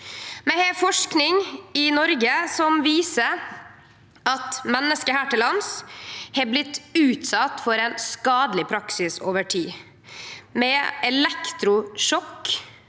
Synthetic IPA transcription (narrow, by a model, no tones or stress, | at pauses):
mɛhɛfɔʂknɪŋɪnɔɾɡəsɔmʋiːsəɾ | ɑt̪mɛnːəskəhæːʈɪlɑnshɛblɪt̪ːʉːt̪sɑt̪ːfɔɾɛnskɑːd̪əlɪpʰɾɑksɪsoːʋəʈʰiː | mɛɛlɛkt̪ɾʊʃɔkː